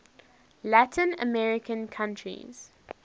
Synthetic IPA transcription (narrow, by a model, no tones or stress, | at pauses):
lætʰə̃nə̰mɛɹɪkə̃nkʰãntʰɹḭz̥